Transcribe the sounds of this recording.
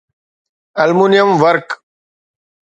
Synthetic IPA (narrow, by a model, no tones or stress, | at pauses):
ɐlmunijəmʋɐɾk